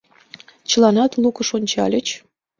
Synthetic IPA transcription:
t͡ɕəlɑnɑt̪lukəʃonʲt͡ɕɑ̰lʲət͡ɕ

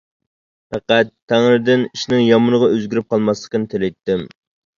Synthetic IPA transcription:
pʰæqæt̪ʰːæŋɾɨd̪ɪniʃnɪŋjɑmɨnəʁɑøzɡʲyɾyp̚qʰɑlˠmɑslˠəqʲənɪt̪ʰelɪjt̪ːɪm

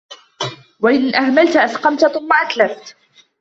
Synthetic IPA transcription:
waʔɪnʔahmalt̪ʔasqɑmt̪aθʊmːaʔat̪laft̪

